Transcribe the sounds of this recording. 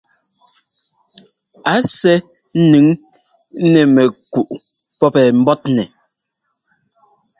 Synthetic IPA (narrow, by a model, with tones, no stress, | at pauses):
a˨˦sɛ˦n̩˦nʉ˨˦ŋ˦ | nɛ˨mɛ˨ku˨ʔ | pɔ˦pɛ˨m̩˦bɔ˦t̚nɛ˨